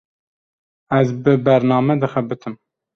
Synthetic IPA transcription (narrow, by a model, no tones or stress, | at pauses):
æzbɨbɛɾnɑːmɛd̪ɨxɛbɨt̪ʰɨm